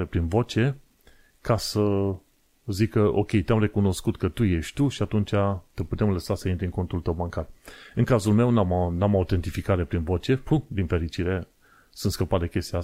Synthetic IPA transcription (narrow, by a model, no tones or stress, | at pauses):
epɾinvo̞t͡ʃe̞ | kasə | zikəʔo̞̰kʲe̞jt̪eamre̞kuno̞skut̪kət̪uje̞ʃt̪ʲt̪uʃiat̪unt͡ʃat̪əput̪e̞mləsasəint̪ɾʲiɨŋko̞nt̪ult̪əwbaŋkarɨŋkazulme̞wnamnamaut̪e̞nt̪ifikaɾe̞pɾinvo̞t͡ʃe̞fud̪infe̞ɾit͡ʃiɾe̞ | sunt̪skəpat̪d̪e̞kʲe̞st̪ia